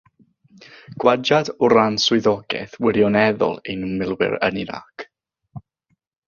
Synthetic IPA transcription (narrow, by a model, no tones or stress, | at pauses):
ɡ̥wad͡ʒadʊɾansʊɨðɔɡɛ̰θwɪɾjɔnɛðʊ̰lˠejnmɪlˠwɪ̰ɾə̰nina̰k